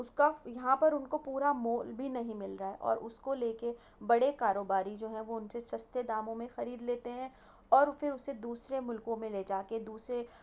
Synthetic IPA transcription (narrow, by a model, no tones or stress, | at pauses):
ʊskajɐɦãpɐɾʊnkopuːɾamoːlbʱinɐɦĩmɪlɾaɦɛʔɔ̰ːɾʊskoleːke | bɐɽekaːɾoːbaːɾid͡ʒoːɦɛ̃ʋoʊnsesɐst̪ed̪aːmõmẽxɐɾiːd̪leːt̪eɦɛ̃ | ɔːɾfɪɾʊsed̪uːsɾemʊlkõmẽleːd͡ʒaːked̪uːsɾe